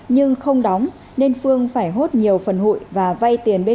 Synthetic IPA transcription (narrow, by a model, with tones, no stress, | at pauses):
ɲɨ˧ŋxə˧wŋ͡mɗɔ˨˦wŋ͡m | ne˧nfɨ˧əŋfaː˧˩jɦo˦˥t̚ɲi˨˩əwfə˨˩nhṵ˧˨jvaː˨˩va˧jt̪i˨˩ənɓe˧